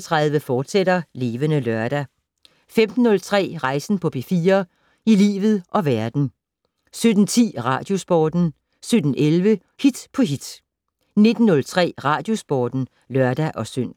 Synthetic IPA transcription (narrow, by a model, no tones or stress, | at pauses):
t͡sʰʁɑ̈ðˠʋəfɒːd̥seɾɐle̝ːʋənəlœɐɾ̥æ | femd̥n̩ːɔ̽lt͡sʰʁɛ̰ːʁɑ̈ɪsn̩pʰɒ̽b̥ʰe̝fiːɐ | ilḭːʋð̞̩ˠʔɒ̽ʋæɐd̥n̩ | sød̥n̩t͡sʰḭːʁɑ̰̈ːd̥jo̝sb̥ɒːd̥n̩ | sød̥n̩elʋə | hid̥pʰɒ̽ɦid̥ | ne̝d̥n̩ːɔ̽lt͡sʰʁɛ̰ːʁɑ̈ːd̥jo̝sb̥ɒːd̥n̩ | lɶɐd̥æʔɒ̽søn̰